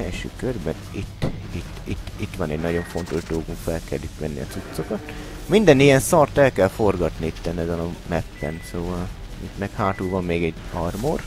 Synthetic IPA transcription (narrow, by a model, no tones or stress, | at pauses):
ɛlʃø̰ːkørbɛnit̪ːit̪ːit̪ːit̪ːʋɒnɛɟnɒɟo̞ɱfo̞nt̪o̞ʒd̪oːɡuɱfɛlkɛlːykmɛnːḭɒ̰t̪sut̪so̞kɒt̪ | mind̪ɛnijɛnsɒrt̪ɛlkɛlfo̞rɡɒt̪niit̪ːɛnɛzɛnɒmɛpːɛ̰nsoːvɒl | ḭt̪mɛkhaːt̪uːvɒmːeːɡɛɟɒrmor